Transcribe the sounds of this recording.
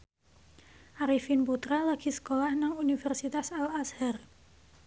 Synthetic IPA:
ʔaɾifinput̪ɾalaɡ̥isə̥kolahnaŋunifɛrsit̪asalashɛr

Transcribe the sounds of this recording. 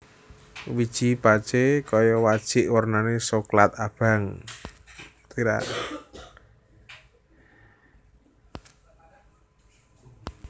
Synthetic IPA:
wid̥ʒ̥i̤pḁt͡ʃekɔjɔwad̥ʒ̥ɪ̤ʔwərnanesoklat̪̚ab̥a̤ŋ | t̪iɾa̰ʔ

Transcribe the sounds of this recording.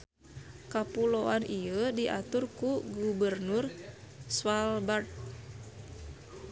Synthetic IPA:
kapuloanʔijədiʔat̪ʊrkuɡubərnʊr | swalbart̪̚

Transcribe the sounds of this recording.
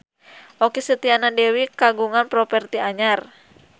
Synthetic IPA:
ʔɔkisət̪ianadɛwikaɡuŋanpɾɔpɛrt̪iaɲar

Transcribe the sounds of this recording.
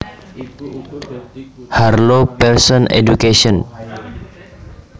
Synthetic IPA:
harlopɛrsɔnḛd͡ʒukesɔn

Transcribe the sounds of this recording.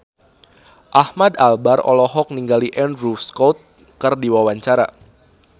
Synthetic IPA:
ʔahmad̪albarɔ̰lɔɦɔk̚niŋɡaliʔɛndrufskot̪̚ | kərdiwawaɲt͡ʃaɾa̰

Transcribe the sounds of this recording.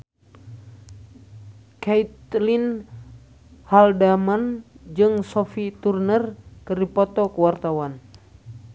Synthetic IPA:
kait̪lin | haldamand͡ʒɨŋsɔfit̪urnərkɨrdipɔt̪ɔkəwart̪awan

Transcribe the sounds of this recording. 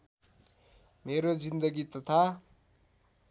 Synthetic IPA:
meɾod͡zind̪ʌɡit̪ʌt̪ʰa

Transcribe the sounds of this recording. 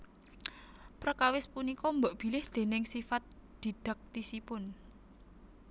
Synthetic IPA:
pɾəkawɪspunikɔmbəʔb̥i̤lɪhd̪̥e̤nɪŋsifat̪̚d̪̥i̤ɖ̥ə̤k̚t̪isipʊn

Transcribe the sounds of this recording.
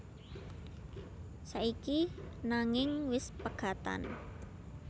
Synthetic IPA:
saʔikinaŋɪŋwɪspəɡ̥a̤t̪a̰n

